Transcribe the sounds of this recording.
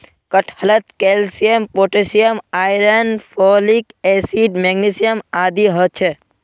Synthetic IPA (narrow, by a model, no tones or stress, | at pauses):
kəʈʰhələt̪kelsijempoːʈesijəmaːjɾenfʰolikesiɖmeɡnisijəmaːd̪iɦɔt͡ʃʰe